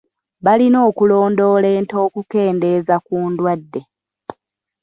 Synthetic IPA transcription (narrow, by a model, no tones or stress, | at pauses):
βalino̞ːkulo̞ːndo̞ːle̞ːnto̞ːkuke̞ːnde̞ːzakuːndwadːe̞